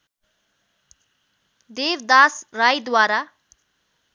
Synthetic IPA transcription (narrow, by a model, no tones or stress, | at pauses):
d̪ebd̪asrajd̪waɾa